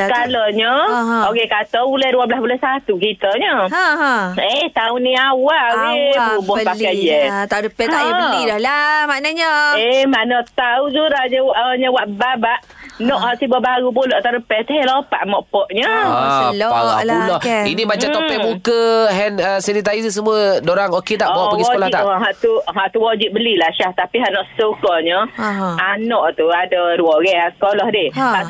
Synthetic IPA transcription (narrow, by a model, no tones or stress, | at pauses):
kalɔɲəokekat̪ɔbulɛhduabəlahbulɛhsat̪ukit̪əɲə | eht̪auniawawebubɔpaajɛaəpɛaidɔlamanəɲəemanət̪aud͡ʒuɾaɲəwʔəɲəwaʔbabaʔ | nɔʔhaʔsibəbaɡupolɔʔt̪aɾəpɛt̪ɛɦɛlopa̰ʔmɔʔpɔʔɲə | aɔulɔinibat͡ʃat̪ɔpɛmukəɦɛnəsanit̪̬aisəs̬əmuədoɾaŋoket̪aʔɔbawaʔpəɡisəkolaht̪aɦaʔt̪uɦaʔt̪uwɔd͡ʒiʔ̚bəlilaʃaht̪apiɦaʔnɔʔsə̥sokɔɲəanɔʔt̪uadəduɔɡɛʔasə̥kolɔhdɪha